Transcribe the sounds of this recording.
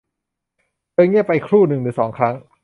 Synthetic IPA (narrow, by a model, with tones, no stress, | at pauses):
tɤː˧ŋi˥˩əpa˧jkʰɾuː˥˩nɯ˨˩ŋnɯː˨˩˦sɔː˩˦ŋkʰɾa˦˥ŋ